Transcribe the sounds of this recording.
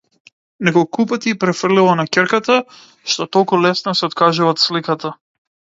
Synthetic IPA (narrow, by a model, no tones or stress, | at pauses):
nɛkɔlˠkupat̪ipɾɛfr̩lilˠanakʲɛɾkat̪a | ʃt̪ɔt̪ɔlˠkulɛsnɔsɛɔt̪kaʒuvat̪slikat̪a